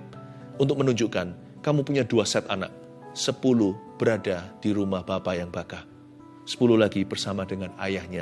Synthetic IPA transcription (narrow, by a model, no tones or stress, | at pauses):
unt̪ʊk̚mənuɲd͡ʒukan | kamupuɲaduasɛt̪ana̰k̚ | səpuluhb̥əɾadad̥iɾumahb̥apajaŋbaka | sə̥pululaɡibərsamadəŋana̰jahɲa